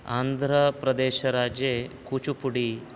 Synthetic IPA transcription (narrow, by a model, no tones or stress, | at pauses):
aːnd̪ʱɾɐpɾɐd̪eːʃɐɾaːd͡ʒjeːkuːt͡ʃupuɽi